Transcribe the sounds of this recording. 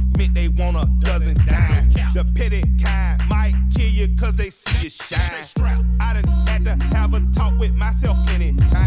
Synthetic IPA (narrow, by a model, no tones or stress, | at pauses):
mɪ̃nðeɪwɑ̃ñə̥ʌzɨ̃ndaɪðɨpʰɪɾɪt̚kʰãɪmaɪt̚kʰɪlˠjɨkʰʌzðeɪsijɨʃa | aɪɾɪn̩hætɨhɨvətʰɔkwɨðmaɪsɛlˠfɪ̃nɪtʰã